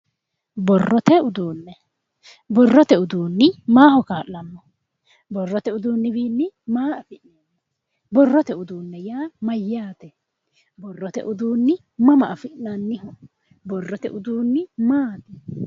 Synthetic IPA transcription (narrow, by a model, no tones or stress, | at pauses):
bɔrːɔt̪ɛʊd̪uːnːɛ | bɔrːɔt̪ɛʊd̪uːnːɪmaːhɔkaːʔːɐmːɔ | bɔrːɔt̪ɛʊd̪uːnːɪbiːnːɪmaːʔɐfɪʔneːnːɛ | bɔrːɔt̪ɛʊd̪uːnːɛjaːmɐjːaːt̪ɛ | bɔrːɔt̪ɛ̰ʔʊd̪uːnːɪ | mɐmɐʔɐfɪʔnɐnːɪhɔ | bɔrːɔt̪ɛ̰ʔʊd̪uːnːɪmaːt̪ɛ